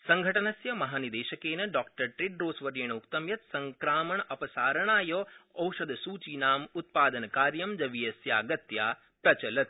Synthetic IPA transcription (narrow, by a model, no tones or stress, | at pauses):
sɐŋɡʱɐʈɐnɐsjɐmɐɦaːnid̪eːʃɐkeːnɐɖaːk̚ʈɐɾʈɾiɖɾoːsʋɐɾjɐɳɐukt̪ɐmjɐt̪̚sɐŋkɾaːmɐɳɐpɐsaːɾɐɳaːjoːɐwʃɐd̪ʱɐsuːt͡ʃiːnaːmut̪̚paːd̪ɐnɐkaːɾjɐmd͡ʒɐʋijɐsjaːɡɐt̪jaː | pɾɐt͡ʃɐlɐt̪̚